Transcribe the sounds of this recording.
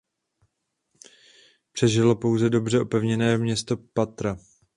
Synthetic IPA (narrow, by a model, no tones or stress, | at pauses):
pr̝̥ɛʒɪlo̞po̞wzɛdo̞br̝ɛʔo̞pɛvɲɛnɛːmɲɛst̪o̞pat̪ɾa